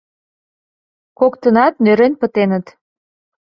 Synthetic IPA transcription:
kokt̪ənɑt̪̚nøɾenpət̪enət̪

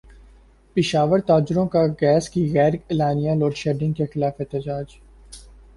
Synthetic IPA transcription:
pɪʃaːʋəɾt̪aːd͡ʒʊɾõkaɡɛːskiɣɛːɾɪlaːnijaloːɖʃɛːɖɪ̃ŋɡkexɪlaːfɪt̪ɪd͡ʒaːd͡ʒ

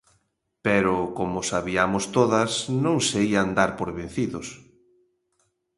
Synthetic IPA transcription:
pɛɾʊkomʊsaβiamʊst̪oðɐsnõŋseiand̪aɾpoɾβen̟θiðʊs

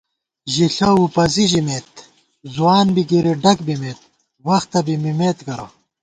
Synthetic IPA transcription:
ʑiɬɐupɐziʑimeːt̪̚ | zuwaːnbikiɾiɖɐkbimeːt̪̚ | wɐxt̪ɐbimimeːt̪kɐɾɐ̰

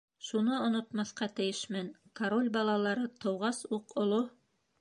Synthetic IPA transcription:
ʃunɤŏnŏt̪mɑθqɑt̪ɘ̆jɘʃmænkɐɾolʲbɑlˠɑlˠɑɾɤt̪ŏwʁɑsuqŏlˠo

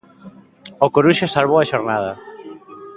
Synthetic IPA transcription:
okoɾuʃesalβowaʃoɾnað̞ɐ

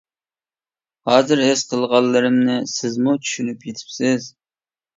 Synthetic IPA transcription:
hɑːzɨɾɦøz̥qʰəlˠʁɑlˠːɨɾɨmnɪsɪzmut͡ʃʰy̥ʃynypjet̪ʰɪ̥psɪz

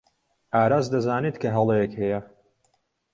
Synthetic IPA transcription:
ʔaːɾaːzd̪ɐzaːnet̪kʰɐɦɐlˠejɛkhɛjɐ

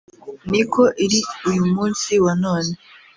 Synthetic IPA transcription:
nikʰo̞ʔiɾiujumuːnsiwanoːne

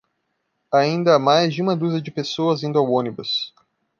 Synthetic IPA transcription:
aĩnd̪ɐamajzd͡ʒɪũmɐd̪uzɐd͡ʒɪpesoɐzĩnd̪ʊɐwõnibɐs

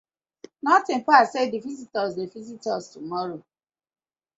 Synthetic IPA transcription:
nɔtɪ̃m̩pasedivizitɔzdevizitɔstumɔɾo

